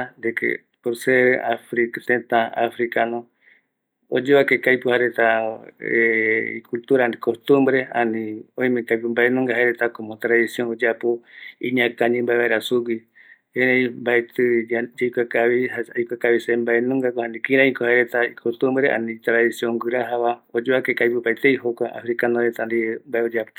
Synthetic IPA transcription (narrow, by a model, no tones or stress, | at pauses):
and̪ekḛ | poɾseɾeafɾikt̪ent̪ãafɾikanõ | od͡ʒeβakekajpuhaeɾet̪aeḭkult̪uɾanikost̪umbɾeanĩõj̃mẽkajp̬ɨmbaenũŋɡahaeɾet̪akomot̪ɾaðisjoŋod͡ʒapoiɲãkaɲĩmbaeβaeɾasuɡi | ẽɾejmbaet̪ɨd͡ʒejkʷakaβihaajkʷakaβisembaenũŋɡakohãnd̪ikĩɾãĩkohaeɾet̪aikʰost̪umbɾeʔa̰nĩt̪ɾaðisiõŋɡɨɾaɦaβaod͡ʒoakekajpɨpaet̪ejɦokʷaa̰fɾikanoɾet̪and̪imbaeod͡ʒapo̥